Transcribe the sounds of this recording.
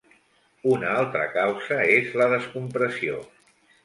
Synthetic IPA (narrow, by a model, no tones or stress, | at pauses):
unalˠt̪ɾə̰kawzəezləðəskumpɾəsio̰